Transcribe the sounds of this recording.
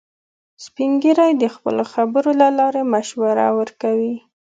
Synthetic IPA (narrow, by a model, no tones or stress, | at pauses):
spiŋɡiɾajd̪əxpə̰loxabəɾolalɑɾemaʃwaɾa̰wəɾkawi